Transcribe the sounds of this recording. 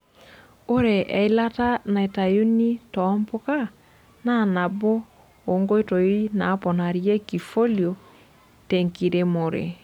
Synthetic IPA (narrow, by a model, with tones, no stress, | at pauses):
o˦ɾe˨ʔɛ˨i˦la˦ta˦na˨e˨ta˨ju˦ni˦tɔmbo˦ka˦ | na˦˨na˨boː˦˨ | ŋɡo˦e˦to˨˦i˦na˨˦pɔ˨na˨ɾjɛ˦ki˨fo˦ljo˨ | teŋki˨ɾe˨mo˨ɾḛ˨